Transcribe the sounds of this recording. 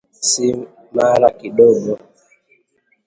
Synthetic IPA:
si | maɾakiɗɔɡɔ

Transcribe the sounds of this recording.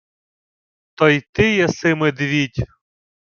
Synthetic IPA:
t̪ɔjt̪ɪjɛsɪmɪd̪ʋʲitʲ

